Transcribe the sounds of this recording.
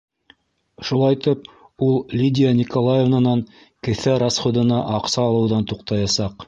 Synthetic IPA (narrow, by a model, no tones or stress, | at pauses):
ʃulˠɑjt̪ɘp | ulˠlʲidʲɪanʲikolˠajevnanɑŋ | kɘ̆θæɾasχod̪ɤ̆nɑʔɑqsɑːlˠɤ̆wðɑnt̪uqt̪ɑjɑsɑq